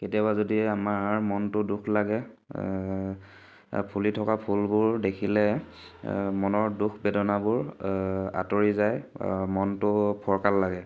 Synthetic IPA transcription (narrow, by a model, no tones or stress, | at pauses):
ketijabazodiamaɹmɔntʊdukʰlaɡɛ | pʰulitʰɔkapʰulbʊɹdekʰilɛ | mɔnɔɹdukʰbɛdɔnabʊɹ | a̰toɹizajmɔntʊpʰɔɹkalːaɡɛ